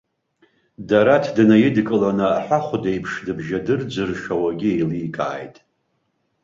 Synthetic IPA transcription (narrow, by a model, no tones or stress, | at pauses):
daɾatʰdɨnajɪdkʼɨlanɨaħʷaχʷʊdejpʰʂdɨbʒadɨrd͡zɨrʃʷᶣawaɡʲiejliːkʼa̰ːjtʼ